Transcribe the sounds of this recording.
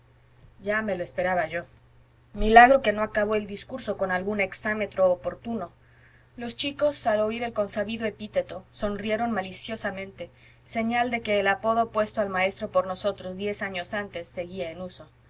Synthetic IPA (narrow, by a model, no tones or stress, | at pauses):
ɟ͡ʝame̞loespe̞ɾaβaʝo̞ | milaɣɾo̞ke̞no̞akaβ̞o̞eld̪iskuɾso̞ko̞nalɣune̞ksame̞t̪ɾo̞ːpo̞ɾt̪uno̞ | lo̞st͡ʃiko̞salo̞iɾe̞lko̞nsaβiðo̞e̞pit̪e̞t̪o̞so̞nrie̞ɾo̞nmalisjo̞samẽnt̪e̞ | se̞ɲald̪e̞ke̞ːlapo̞ð̞o̞pwe̞st̪oalmae̞st̪ɾo̞po̞ɾno̞so̞t̪ɾo̞zðje̞saɲo̞sant̪e̞sːeɣiaenuso̞